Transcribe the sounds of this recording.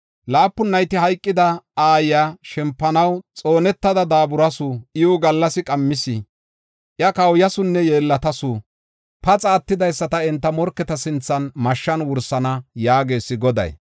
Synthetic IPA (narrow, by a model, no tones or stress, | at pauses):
laːpːʊnːɐjt̪ɪhɐjkʼːɪd̪ɐaːjjaʃɛmpːɐnɐwt͡sʼo̞ːnɛt̪ːɐd̪ɐd̪aːbʊɾɐsʊɪʊɡɐlːɐsɪkʼɐmːɪsɪ | ʔjɐkɐwjɐsʊnːɛjeːlːɐt̪ɐsʊ | pɐt͡sʼaːt̪ːɪd̪ɐjsːɐt̪ɐɛnt̪ːɐmɔɾkːɛt̪ɐsɪnt͡sːɐnmɐʃːɐnwʊɾsɐnɐjaːɡe̞ːsːɪɡɔd̪ɐ̰j